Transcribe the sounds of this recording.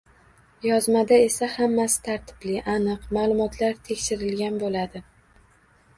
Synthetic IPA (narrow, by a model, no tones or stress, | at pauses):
jɒzmad̪ae̞sahamːasɪ̥t̪ʰaɾt̪ʰɪ̥b̥lɪʔanɨqmaːlˠʊmɒt̪ʰlaɾt̪ʰe̞kʲʃɪɾɪlɡʲanbolad̪ɪ